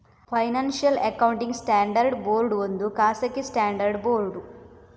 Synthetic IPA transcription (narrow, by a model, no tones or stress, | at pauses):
pʰɐjnaːnʃijɐlɐkɐwuɳʈiŋɡsʈaːɳɖɐɾɖboːɾɖʋond̪ukaːsɐkːisʈaːɳɖɐɾɖboːɾɖu